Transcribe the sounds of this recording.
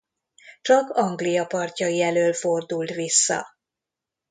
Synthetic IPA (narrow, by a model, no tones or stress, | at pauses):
t͡ʃɒkɒŋɡlijɒpɒrcɒjiɛløːlfo̞rd̪ult̪ʋisːɒ̰